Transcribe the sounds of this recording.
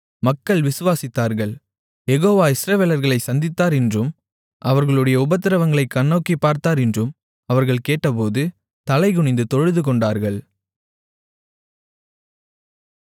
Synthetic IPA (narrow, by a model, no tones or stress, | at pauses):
mɐkːɐɭʋɪsɯʋaːsɪt̪ːaːɾɣɐɭ | jɛɣoːʋaːɪsɾɐʋeːlɐɾɣɐɭɐɪsɐnd̪ɪt̪ːaːɾɛndrɯm | ʔɐʋɐɾɣɐɭɯɽɐjɐʊbɐt̪ːɪɾɐʋɐŋɡɐɭɐɪkːɐnːɐːkːipːaːɾt̪aːɾɛndrɯm | ɐʋɐɾɣɐɭkeːʈːɐp̬oːðɯ | t̪ɐlɐɪɣʊɳɪnd̪ɯt̪ɔɻɯðɯkɔɳɖaːɾɣɐɭ